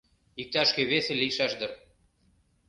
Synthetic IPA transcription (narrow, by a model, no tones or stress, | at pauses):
ik̚t̪æʃkɘ̆βeθɘ̆lʲiʃæʃd̪ɤ̆ɾ